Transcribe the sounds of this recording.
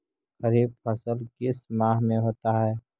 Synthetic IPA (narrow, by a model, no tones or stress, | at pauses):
ɣəɾiːb̚pʰəsəlkɪsmãːɦmẽɦoːt̪aɦɛː